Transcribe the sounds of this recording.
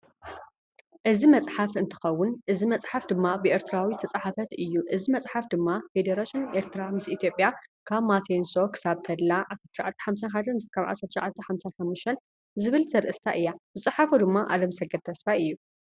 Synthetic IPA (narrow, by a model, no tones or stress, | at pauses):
ʔɨzimɐt͡sʼħafɨnt̪ʰɨ̥xɐwːʊnʔɨzimɐt͡sʼħafd̪ɨmːabɨʔe̞ɾt̪ʰɨɾawit̪ʰɐt͡sʼaħafɐt̪ɨjːuʔɨzimɐt͡sʼħafd̪ɨmːafed̪eɾaʃɨneɾt̪ʰɨɾamɨsʔit̪ʰjo̞pʼjakʰaβmat̪ʰenso̞kʰɨ̥saβt̪ʰɐd̪laʕasɐɾt̪ʰʃʕat̪ʰːi̥ħamsanħad̪ɐnmɨst̪kʰaβʕa̰sɐɾt̪ʰːʃʕat̪ʰːɐħamsanħamːuʃt̪ʰɐn | zɨβɨlzɐɾʔɨst̪ʰaʔɨjːabɨt͡sʼɨħafud̪ɨmːaʔa̰lɐmsɐɡɐd̪̚t̪ʰɐsfaɨjːu